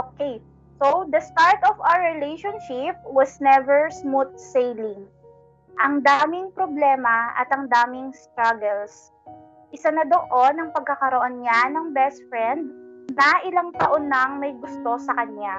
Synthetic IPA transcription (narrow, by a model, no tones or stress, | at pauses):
ʔokej | sod̪ɐst̪aɹt̪ɔvawəɹɪlejʃonʃɪp̚wɐsnɛvɛɹsmut̪̚sejlɪŋ | ʔɐŋd̪aːmɪŋpɾoblɛːmɐʔɐ̰t̪ɐŋd̪aːmɪŋst̪ɾaɡɛls | ʔɪsanɐd̪oʔonɐŋpɐɡ̚kːɐkɐɾoʔonɲanɐŋbɛst̪fɹɛnd̪̚nɐʔɪlaŋt̪ɐʔo̞nːɐɐŋmɐjɡʊst̪o̞sɐkɐnja